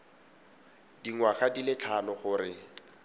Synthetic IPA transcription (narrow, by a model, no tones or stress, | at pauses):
diŋwaχadilɪt͡ɬʰanɔχʊːrɪ